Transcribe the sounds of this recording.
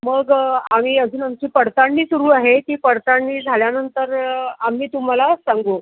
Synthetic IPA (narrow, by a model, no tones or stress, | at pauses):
məɡam̤iːəd͡zuːnamt͡ɕiːpəɽt̪aɳːiːsuɾuːaɦet̪iːpəɽt̪aɳːiːd͡zʱaljanənt̪əɾam̤iːt̪um̤alasaŋɡo